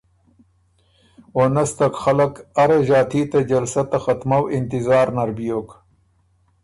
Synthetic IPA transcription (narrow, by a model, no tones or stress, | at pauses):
wonast̪akxalɐkaɾaʒaːt̪ʰiːt̪ad͡ʒɐlsɐt̪ːaxat̪mawɪnt̪ɪzɑːɾnɐɾbijok